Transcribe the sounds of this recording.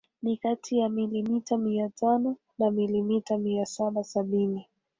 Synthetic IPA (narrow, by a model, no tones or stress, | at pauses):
nikatʰijamilimitamiatʰanɔ | namilimitamiasaɓasaɓini